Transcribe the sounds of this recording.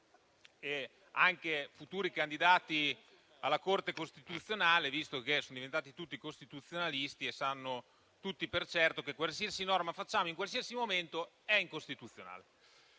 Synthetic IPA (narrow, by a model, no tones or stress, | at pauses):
e | aŋkefut̪uːɾikand̪id̪aːt̪i | alːakort̪ekost̪it̪ut̪sːjonaːlevist̪okesonod̪ivent̪aːt̪it̪ut̪ːikost̪it̪ut̪sːjonalist̪iesanːo | t̪ut̪ːipert͡ʃɛrt̪okekwalsiasinɔrmafat͡ʃːaːmoiŋkwalsiasimoment̪o | ɛiŋkost̪it̪ut̪sːjona̰ːle